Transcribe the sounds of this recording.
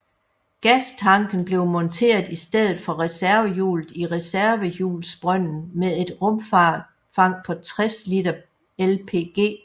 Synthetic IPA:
ɡ̥æst͡sʰɑ̈ŋɡ̥n̩b̥le̝ʊmɒ̽nt͡sʰe̝̰ːɐð̩ˠisd̥eð̰ˠð̩ˠfɒ̽ʁɛsæɐʋəjṵːlð̩ˠiʁɛsæɐʋəjṵːlsb̥ʁœn̰n̩meðˠe̝d̥ʁɔ̽mfɑ̰̈ːd̥ | fɑ̈ŋ̰pʰɒ̽t͡sʰʁɛslid̥ɐ | elpʰe̝̰ːɡ̥e̝̰ː

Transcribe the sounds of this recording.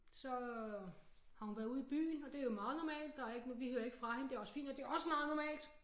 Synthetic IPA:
sɒ̽ | hɑ̈hunʋæɐuð̞ˠib̥y̰ːn̩ɒ̽d̥e̝æɐjo̝mɑ̈ːð̞̩ˠnɒmɛ̰ːld̥ːɑæeɡ̥nʋihøɐe̝ɡ̥ə̥fʁɑ̈hend̥e̝æɐɒ̽sə̥fḭːnd̥ɒ̽d̥e̝æɒ̽səmɑ̈ːð̞̩ˠnɒmɛ̰ːld̥

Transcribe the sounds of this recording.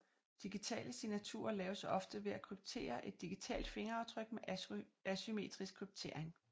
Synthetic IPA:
d̥iɡ̥it͡sʰɛ̰ːləsinæt͡sʰṵːɐlɛːʊsɒ̽fd̥əʋe̝ækʰʁyb̥̚t͡sʰe̝̰ːɐʔe̝d̥ːiɡ̥it͡sʰɛ̰ːld̥fe̝ŋɐɑ̈ʊt͡sʰʁœɡ̥̚meʔæsyme̝̰ːd̥ʁisɡ̥kʰʁyb̥̚t͡sʰe̝ɐ̰e̝ŋ

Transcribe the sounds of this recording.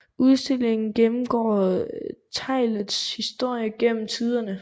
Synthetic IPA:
uð̞ˠsd̥e̝l̰e̝ŋn̩ɡ̥enm̩ɡ̥ɒ̰ː | t͡sʰɑ̈ɪ̰ləðˠshisd̥o̝ɐ̰jəɡ̥en̰m̩t͡sʰið̞ˠɐnə

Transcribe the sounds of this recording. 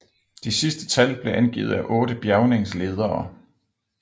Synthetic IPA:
d̥isisd̥ə̥t͡sʰælb̥le̝ʔænɡ̥ḭːð̞̩ˠæʔɔ̽ːɾ̥əb̥jæʊne̝ŋsle̝ːð̞ˠɐː

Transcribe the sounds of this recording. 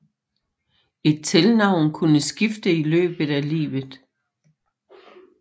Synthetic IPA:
e̝d̥̚t͡sʰelnɑ̈ʊ̰nkʰunəsɡ̥ifd̥əilø̰ːb̥ðˠælḭːʋð̩ˠ

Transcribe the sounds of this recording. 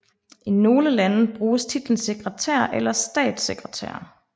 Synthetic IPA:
ʔino̝ːləlænəb̥ʁuːst͡sʰid̥l̩n̩se̝ɡ̥ʁət͡sʰæ̰ɐ̰ʔelɐsd̥ɛ̰ːd̥seɡ̥ʁət͡sʰæ̰ːɐ

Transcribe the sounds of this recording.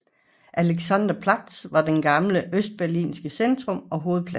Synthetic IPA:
ʔæleɡ̥sænd̥ɐpʰlɑd̥sʋɑ̈d̥enɡ̥ɑ̈mləʔøsd̥̚b̥æɐlḭːnsɡ̥əsend̥ʁɔ̽mɒ̽ɦo̝ːð̞̩ˠpʰlæ

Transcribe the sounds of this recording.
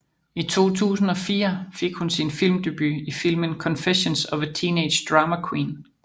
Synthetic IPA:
it͡sʰo̝̰ːt͡sʰṵːsn̩ɒ̽fḭːɐfe̝ɡ̥hunsinfil̰md̥e̝b̥yifil̰mənkʰɒ̽nfeɕənsɒ̽ʋət͡sʰiːneɪd̥ɕd̥ʁɑ̈mækʰwiːn

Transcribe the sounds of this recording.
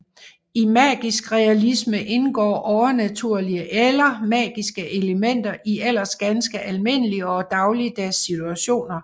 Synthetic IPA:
imæ̰ːɡ̥isɡ̥ʁɛælisməʔe̝nɡ̥ɒ̰ːʔɒʊɐnæt͡sʰuɐ̰liəʔelɐmɛ̰ːɡ̥isɡ̥əʔe̝ləmen̰d̥ɐʔiel̰ɐsɡ̥ænsɡ̥əʔælme̝n̰əliəɒ̽d̥ɑ̈ʊliəd̥æɐsːit͡sʰuæɕo̝̰ːnɐ

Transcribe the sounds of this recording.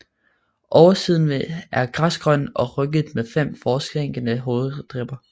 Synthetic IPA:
ʔɒʊɐsiːð̞̰ˠn̩ʋeæɐɡ̥ʁasɡ̥ʁœn̰ɒ̽ʁœɡ̥əð̩ˠmefem̰fɒːsɡ̥eŋ̰ɡ̥ənəɦo̝ːð̩ˠd̥ʁɛb̥ɐ

